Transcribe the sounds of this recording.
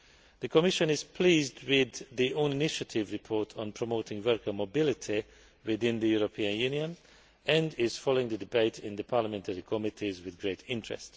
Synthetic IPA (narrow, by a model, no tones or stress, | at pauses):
ðɨkʰɔmɪʃə̃nɪz̥pʰl̥iːzdwɪðːiʔõʊ̃nɪnɪʃətʰɪvɹɨpʰɔɹtʰn̩pʰɹ̥əmoʊtɪ̃ŋwɜ˞kəmobɪlɪtʰi | wɪðɪ̃nðɨjuɹopʰĩə̃njʉ̃njə̃n | ɨ̃ndɪz̥fɔloɪ̃ŋðɨdɪbeɪtʰɪ̃nðəpʰɑɹləmɛ̃ntʰəɹikʰɔmɪtʰizwɪðɡɹeɪtʰɪ̃ntɹ̥ɛ̰st